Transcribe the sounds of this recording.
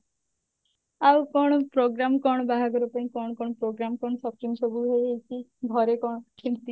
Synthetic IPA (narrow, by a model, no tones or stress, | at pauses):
awkɔɽ̃ɔpɾoɡɾamkɔɽ̃ɔbaɦaɡɔɾupaĩkɔɽɔkɔɽ̃ɔpɾoɡɾamkɔɳ̃ɔsɔpɾimsobuɦejɦejt͡ʃʰiɡʱɔɾekɔɽɔkʰint̪i